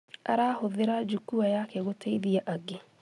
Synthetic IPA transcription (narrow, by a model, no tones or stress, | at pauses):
a̰ɾaːhoðɪɾad͡ʒukuajakɛɣotʰeiðiaʔaɡe